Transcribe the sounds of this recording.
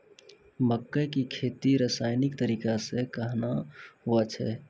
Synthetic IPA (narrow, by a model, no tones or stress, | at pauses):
məkːəkikʰet̪iɾəsajnikt̪əɾikasẽkəɦnaɦuət͡ʃʰɛ̰